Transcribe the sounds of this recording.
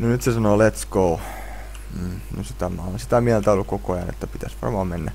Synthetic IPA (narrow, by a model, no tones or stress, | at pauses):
nonyt̪sesɑnolet̪skou | m̩ːno̰sit̪æmæonsit̪æmiælt̪æolːukkokoɑjɑ̰nḛt̪ːæpit̪æsʋɑ̰rmɑːmenːæ̰